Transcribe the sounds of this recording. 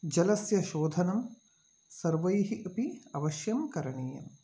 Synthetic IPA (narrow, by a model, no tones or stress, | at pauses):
d͡ʒɐlɐsjɐʃoːd̪ʱɐnɐm | sɐɾʋɐjɦiʔɐpiɐʋɐʃjɐmkɐɾɐɳiːjɐ̰m